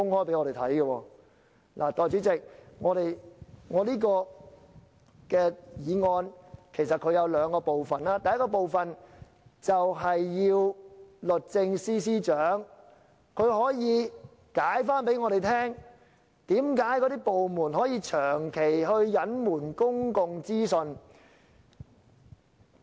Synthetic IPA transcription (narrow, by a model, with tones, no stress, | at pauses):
kʊ˥ŋhɔː˥jp̬e˨˥jŋɔː˧e˨t̪ʰɐ˨˥jɡɐː˧wɔː˧ | lʔaː˨˩t̪ɔː˨jt͡ʃyː˨˥t͡sɪ˨k̚ŋɔː˨˧ɾe˨jŋɔː˨˧liː˥kɔː˧ | kɛː˧jiː˨˧ŋɔː˧nkʰe˨˩sɐ˨t̚kʰɵ˨˧ɥjɐ˨˧wlœː˨˧ŋkɔː˧po˨wfɐ˨nlaː˥t̪ɐ˨jːɐ˥t̚kɔː˧po˨wfɐ˨n | t͡sɐ˨wɦɐ˨jːiː˧wlɵ˨t̚t͡sɪ˧ŋsiː˥siː˥t͡ʃœː˨˥ŋ | kʰɵ˨˧ɥɦɔː˨˥jiː˨˧ | kaː˨˥jfaː˥npe˨˥jŋɔː˧ɾe˨jt̪ʰɛː˥ŋ | t̪iː˨˥mkaː˨˥jkɔː˨˧˥t̪iː˥po˨wmuː˨˩nɦɔː˨˥jiː˨˧t͡ʃʰœː˨˩ŋkʰe˨˩jɦɵ˧ɥjɐ˨˥nmuː˨˩nkʊ˥ŋkʊ˨ŋt͡siː˥sɵ˧n